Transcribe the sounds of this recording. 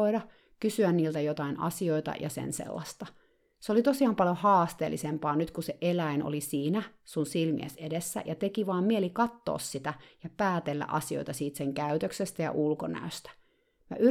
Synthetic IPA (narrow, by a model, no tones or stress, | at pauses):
oiɾɑ | kysyænniːlt̪æjot̪ɑinɑ̰sioit̪ɑ̰jʔɑsḛnsḛlːɑst̪ɑ | seolit̪osiɑːmpɑljohɑːst̪ḛːlːisempɑːnyt̪kuseʔelæino̰lisiːnæsunsilmḭḛsedesːæ̰jʔɑt̪ekiʋɑːmmieelikɑt̪ːo̰ːssit̪æjɑpæːt̪elːæ̰ʔɑsio̰it̪ɑsiːt̪seŋkæyt̪øksest̪æjɑ̰ʔulkonæ̰øst̪æ̥ | mæ̰ʔy